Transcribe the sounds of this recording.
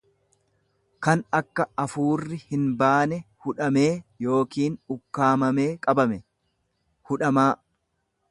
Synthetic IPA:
kɐnɐkːɐɐfuːrːɪhɪnbaːnɛhʊᶑɐme̞ːjo̞ːkiːnʊkːaːmɐme̞ːkʼɐbɐmɛ | hʊᶑɐmaː

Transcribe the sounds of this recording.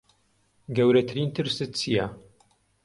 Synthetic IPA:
ɡɐwɾɐt̪ʰɨɾiːnt̪ʰɨɾsɨt̪̚t͡sʰija

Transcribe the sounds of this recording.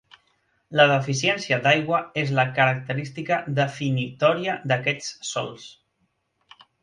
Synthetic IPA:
ləðəfisiɛnsiəd̪ajɣwəezləkəɾək̚t̪əɾist̪ikəðəfinit̪ɔɾiəd̪əkɛt͡ssɔ̰lˠs

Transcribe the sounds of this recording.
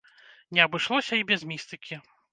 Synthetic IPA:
nʲɛɐbɨʂlˠɔsʲɐibʲɛzmʲist̪ɨkʲʰi

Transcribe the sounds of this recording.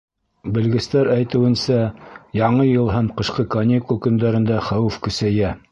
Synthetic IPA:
bɘ̆lɡɘ̆st̪æɾæjt̪ɘ̆wɘ̆nsæjɑɴɤjɤlˠɦæmqɤ̆ʃqɤkɐnʲikulˠkɵ̆nd̪æɾɘ̆nd̪æχæwɘfkɵ̆sæjæ

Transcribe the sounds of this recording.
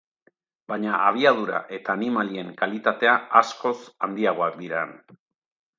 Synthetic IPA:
baɲaʔaβ̞iað̞uɾa̰ʔe̞t̪aːnimalie̞ŋkalit̪at̪e̞aasko̞sand̪iaɣ̞o̞ak̚d̪iɾan

